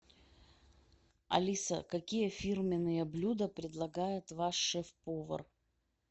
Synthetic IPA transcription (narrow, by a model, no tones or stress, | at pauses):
ɐ̰lʲisə̰kɐkʲijəfʲirmʲɪnːɨjəblʲud̪əpɾʲɪd̪lˠɐɡajɪt̪vaʂːɛfpovə̰r